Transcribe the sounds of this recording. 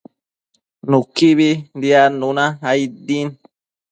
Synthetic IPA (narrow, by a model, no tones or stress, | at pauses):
nũkiβind̪ianũnãaid̪in